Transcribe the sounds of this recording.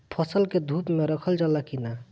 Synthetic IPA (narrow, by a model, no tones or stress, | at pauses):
pʰʌsəlked̪ʱupmeɾəkʰəld͡ʒalakina